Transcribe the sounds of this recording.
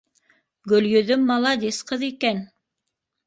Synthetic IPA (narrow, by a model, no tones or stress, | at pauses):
ɡɵ̆ljɵ̆ðɵmːɑlˠɑd̪isqɤðikæn